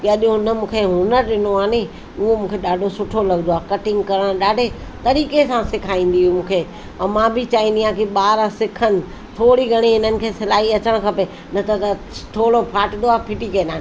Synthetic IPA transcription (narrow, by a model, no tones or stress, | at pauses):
kaːɗjõnɐmũːkʰeɦʊnəɾɗɪnoaːne | ʊɦomũːkʰeɗaːɖʱosʊʈʰolɐɡɪnd̪oaːkɐʈɪ̃ŋɡkɐɾəɽ̃ɗaːɖʱet̪ɐɾiːkesãsɪkʰaːĩːn̆d̪iɦũmũːkʰeː | ɐmãbʱɪt͡ɕaːĩːnd̪ijãkiɓaːɾasɪkʰənɪ̆ | t̪ʰoːɽiɡʱɐɽ̃iɪnənɪ̆kʰeːsɪlaːɦiɐt͡ɕəɽ̃kʰɐpe | nɐt̪ʰɐt̪ɐ | t̪ʰoːɽopʰaːʈɪ̃nd̪oaːpʰɪʈikɐ̃ːnaːn